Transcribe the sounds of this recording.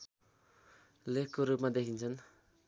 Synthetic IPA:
lekːoɾɯp̚mad̪eɦinsʰɯn

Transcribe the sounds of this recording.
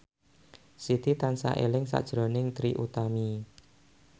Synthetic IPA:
sit̪it̪ansa̰ʔelɪŋsa̰ʔd̥ʒ̥ɾonɪŋt̪ɾiʔut̪ami

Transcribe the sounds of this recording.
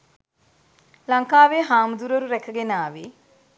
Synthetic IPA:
laŋkaːʋeɦaːməd̪uɾəɾuɾækəɡenaːʋe

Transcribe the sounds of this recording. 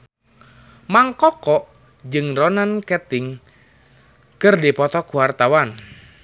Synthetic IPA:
maŋkɔkɔʔ | d͡ʒɨŋrɔnankɛt̪ɪŋ | kɨrdipɔt̪ɔkuwart̪awan

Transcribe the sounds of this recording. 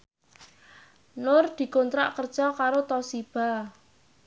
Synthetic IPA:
nʊrd̪̥i̤kont̪ɾaʔkərd̥ʒ̥ɔkaɾot̪ɔsib̥a̤

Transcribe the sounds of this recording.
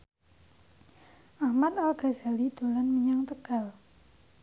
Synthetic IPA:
ʔahmat̪alɡ̥a̤za̤lid̪̥o̤lanməɲaŋt̪əɡ̥a̤l

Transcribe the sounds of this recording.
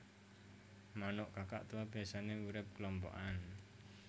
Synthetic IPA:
manɔʔkaka̰ʔt̪uwabiasaneuɾɛp̚klɔmpɔ̰ʔan

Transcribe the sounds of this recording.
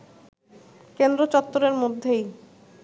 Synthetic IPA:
kend̪ɾot͡ɕɔt̪ːoɾeɾmod̪ʱːej

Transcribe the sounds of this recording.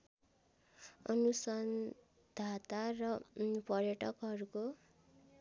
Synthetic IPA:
ʌnusʌn | d̪̥ʱat̪arʌpʌrjʌʈʌkɦʌɾuko

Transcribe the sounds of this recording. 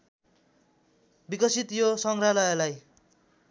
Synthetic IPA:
bikʌsit̪josʌŋralʌjʌlaj

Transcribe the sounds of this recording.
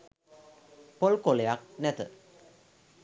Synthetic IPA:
polkolejak̚nɛt̪ɨ̰

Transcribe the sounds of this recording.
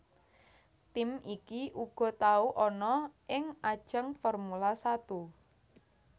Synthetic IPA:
t̪ɪmikiʔuɡ̥ɔ̤t̪auʔɔnɔʔɪŋʔad̥ʒ̥əŋfɔrmulasat̪u

